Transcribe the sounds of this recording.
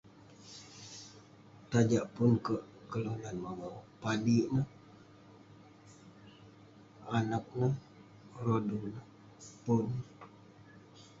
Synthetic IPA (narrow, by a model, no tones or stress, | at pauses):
t̪ad͡ʒaʔpʊnkəʔ | kəlunanmawopadiʔnəh | anak̚nəh | rodunəh | pʊn